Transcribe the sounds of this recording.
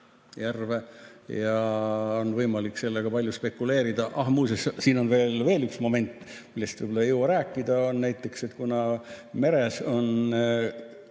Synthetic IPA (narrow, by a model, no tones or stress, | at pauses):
jærve̞jɑonvɤjmɑlikːse̞lːeɡ̥ɑpɑlʲjuspe̞kːˑule̞ːɾid̪̥ɑʔɑhmuːsessiːno̞nve̞ːlve̞ːlyksmo̞me̞nt̪ːˑmilːe̞st̪v̥ɯjbolːɑjuwɑɾæːkːˑid̪̥ɑonnæjt̪ːˑe̞kset̪kunɑme̞ɾe̞so̞n